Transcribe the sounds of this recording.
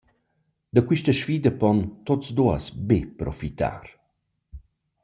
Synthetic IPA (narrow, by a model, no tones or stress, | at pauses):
d̪əkwiʃtəʃfiːd̪əpɔnt̪otsd̪uə̰sbepɾɔfit̪a̰ɾ